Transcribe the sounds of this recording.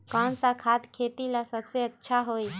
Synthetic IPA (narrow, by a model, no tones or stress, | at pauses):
kansakʰad̪kʰet̪ilasəbseətːʃʰaɦoj